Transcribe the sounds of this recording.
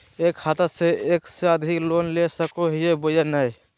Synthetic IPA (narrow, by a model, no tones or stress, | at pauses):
ekhat̪əseekseəd̪ʱiklonlesəkoɦijebojenəj